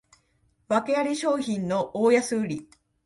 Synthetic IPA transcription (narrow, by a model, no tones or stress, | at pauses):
βake̞aɾʲiɕo̞ːçĩnno̞ʔoːjasɨːɾʲi